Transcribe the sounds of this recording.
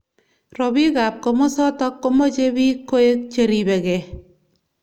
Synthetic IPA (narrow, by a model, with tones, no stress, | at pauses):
rɔ˨bi˦ka˨p̚kɔ˨mɔ˦sɔ˦tɔ˦kːo˦mɔ˦t͡ʃe˦bi˦kːo˦e˦k̚t͡ʃeɾibɛ˨kɛ